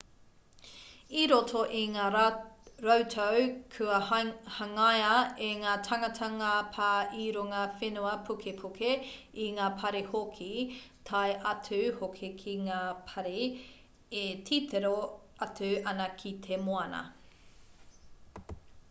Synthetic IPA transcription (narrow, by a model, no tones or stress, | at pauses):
iɾotʰoʔiŋaː | ɾowtʰowkʰʉɐhɐŋajɐeŋaːtʰɐŋɐtʰɐŋɐpʰaːʔiːɾoŋɐfenuɐpʰukʰepʰukʰe | iŋaːpʰɐɾehokʰitʰajʔɐt͡sʰʉhokʰekʰiŋaːpʰɐɾe | etʰit̪ʰeɾo | ɐtʉʔɐnɐkʰit̪ʰemoɐnɐ̰